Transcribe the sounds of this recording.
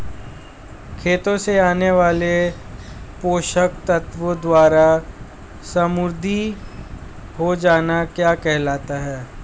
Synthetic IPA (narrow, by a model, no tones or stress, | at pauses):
kʰeːt̪õseaːneʋaːle | poːʃəkt̪ət̪ʋəd̪waːɾa | sɐmʊɾd̪ʱi | ɦod͡ʒaːnakjaːkɛɦlaːt̪aɦɛː